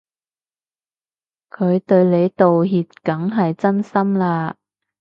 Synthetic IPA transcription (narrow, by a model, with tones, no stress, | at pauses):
kʰɵ˨˧ɥt̪ɵ˧ɥle˨˧jt̪o˨wɦiː˨t̚kɐ˨˥ŋɦɐ˨jt͡sɐ˥nsɐ˥mlaː˧